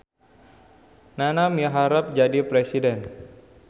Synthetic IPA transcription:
nanamiɦaɾap̚d͡ʒadipɾesidɛn

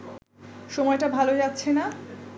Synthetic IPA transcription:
ʃɔmɔeʈabʱalod͡ʑat̪ːɕʰena

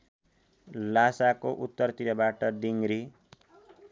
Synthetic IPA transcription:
lasakoʔut̪ːʌrt̪ilʌbaʈʌd̪iŋɾi

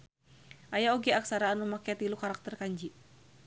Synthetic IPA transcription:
ʔajaoɡɛaksaɾaːnumakat̪ilukaɾak̚t̪ərkaɲd͡ʒi

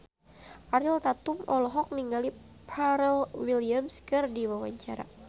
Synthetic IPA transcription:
ʔaɾilt̪at̪umɔlɔɦɔk̚niŋɡali | pʰaɾɛlwiliamskɨrdiwawa̰ɲt͡ʃaɾa̰

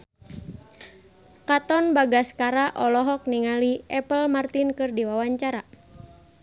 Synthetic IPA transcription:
kat̪ɔnbaɡaskaɾaʔɔlɔɦɔk̚niŋaliʔɛpəlmart̪inkɨrdiwawaɲt͡ʃaɾa

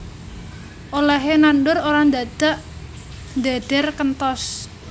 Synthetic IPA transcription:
ʔoleɦenandʊɾoɾand̪ad̪̥a̤ʔ | nd̪ad̪̥ɛrkənt̪ɔs

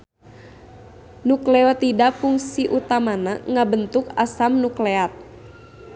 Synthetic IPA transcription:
nuklɛɔt̪idapuŋsiʔut̪amanaŋabənt̪ukasamnukleat̪̚

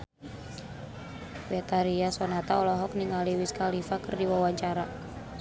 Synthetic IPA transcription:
bɛt̪aɾiasɔnat̪aɔlɔɦɔk̚niŋaliwiskalifakərdiwawaɲt͡ʃaɾa

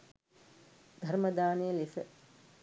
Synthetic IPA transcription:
d̪ʱɐɾmɐd̪aːnejɐlifə

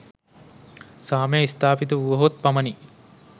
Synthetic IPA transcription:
saːmejist̪ʰaːpit̪uuʋɐɦot̪̚pamɐni

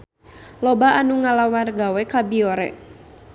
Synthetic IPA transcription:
lɔbaanuŋalawarɡawɛkabiɔɾɛ̰

